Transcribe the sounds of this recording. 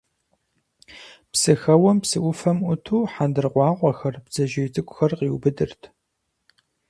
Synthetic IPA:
psɨxɐwɐmpsɨʔʷʊfɐmʔʷʊtʰuːħandɨrqʷɑːqʷɔxɐrbz̥ɐʒeːzʼɨkʷʊxɐrqiwbɨdɨrtʰ

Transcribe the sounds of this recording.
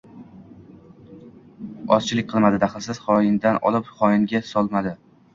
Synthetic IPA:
ɒzt͡ʃʰɪlɪk̚ʲqʰɨlˠmad̪ɪd̪aχɨlˠsɪz̥χɒjɪnd̪anɒ̰lˠɪpχɒjɪnɡʲasɒlˠmad̪ɪ

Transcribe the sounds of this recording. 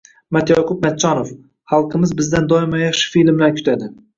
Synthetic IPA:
mat̪jɒqʊp̚mat̪t͡ʃːɒnof | hɑlˠqʰɨmɪzbɪzd̪and̪ɒɪmajɑχʃɪ̥filmlaɾkʲʰʊ̥t̪ʰad̪ɪ

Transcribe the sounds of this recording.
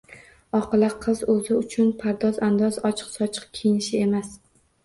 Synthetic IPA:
ɒqɨlaqʰɨzɵzɪʊt͡ʃʰʊnpʰaɾd̪ɒzand̪ɒzɒt͡ʃʰɨ̥qsɒt͡ʃʰɨ̥qkʲʰejnɪʃɪe̞mas

